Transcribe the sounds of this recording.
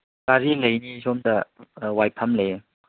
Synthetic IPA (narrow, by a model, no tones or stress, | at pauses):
kaɾilejnisɔmdɐwajpʰamle